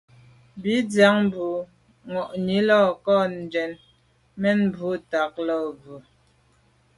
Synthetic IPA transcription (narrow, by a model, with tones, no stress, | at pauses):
bi˨˦d͡zja˨˦ŋ˦bu˨ | ŋɔ˨ʔni˨˦lɔː˦˨kɔ˦˨n˨dɛ˨˦n | mɛ˦nbu˨˦ta˨k̚lɔ˦˨bu˨